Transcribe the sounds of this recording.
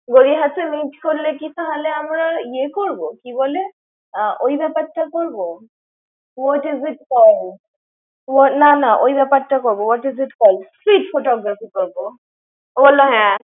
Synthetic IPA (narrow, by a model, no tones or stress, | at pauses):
ɡoɹiɦatɛmitkoɹilɛkisaɦalɛamɹaijɛkoɹbɔkibɔlɛ | ʔojbapatːakoɹbɔ | wɔtizitkɔl | wɔnanaʔojbapatːakoɹbɔwɔtizitkɔlsɹitfʰotɔɡɹafikoɹbɔ | obɔlɔɦɛ̃